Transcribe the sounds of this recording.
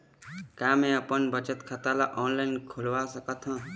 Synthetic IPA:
kaːmẽəpənbət͡ʃət̪kʰat̪alaʔɔːnlaɪnkʰulʋasəkət̪ʰɦã

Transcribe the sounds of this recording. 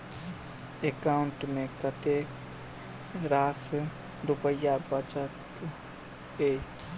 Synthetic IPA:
ekauɳʈmekət̪e | ɾas | ɾupəjːabət͡ʃət̪ | ej

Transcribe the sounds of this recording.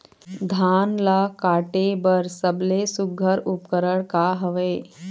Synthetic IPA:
d̪ʱaːnlakaːʈebəɾsəblesuɡʱːəɾupkəɾəɽkaɦəʋe

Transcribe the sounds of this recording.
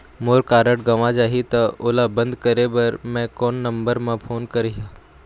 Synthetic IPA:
moːɾkaːɾəʈɡɐʋad͡ʒaːɦit̪ɐʊːlabɐ̃nd̪kɐɾebɐɾmɛ̃kɔːnːɐ̃mbəɾmẽpʰoːnkɐɾeɦaː

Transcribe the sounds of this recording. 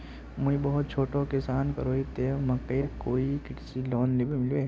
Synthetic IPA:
mʊbɐɦʊt̪̚t͡ʃʰoːʈõkɪsaːnkɐɾoːit̪eːmɐkeːɾkoːikɪʈsilɔːnlebʱimɪlʋe

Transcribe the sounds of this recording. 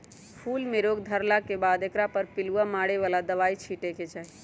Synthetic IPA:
pʰulmeɾoɡd̪ʱəɾlakebad̪ekɾapəɾpiluamaɽeʋalad̪əʋait͡ʃʰiʈeket͡ʃaɦi

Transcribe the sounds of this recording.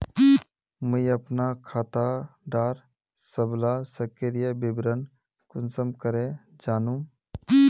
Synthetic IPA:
məiəpnakʰaːt̪aɖaːɾ | səblasəkeɾjəbɪbɾən | kʊnsəmkəɾẽd͡ʒaːnũ

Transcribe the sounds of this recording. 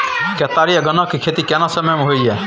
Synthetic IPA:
kɛt̪aːɾijaɡɐnakikʰeːt̪ikɛnasɐməjmeɦoiɛ

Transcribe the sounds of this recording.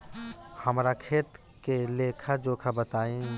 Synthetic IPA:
həmɾakʰet̪ | kelekʰad͡ʒokʰabət̪aĩ

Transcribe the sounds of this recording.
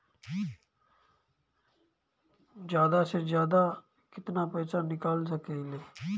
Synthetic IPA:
d͡ʒjaːd̪aːsɪɾd͡ʒjaːd̪aː | kɪt̪naːpɛːsaːnɪkaːls̬əkeleː

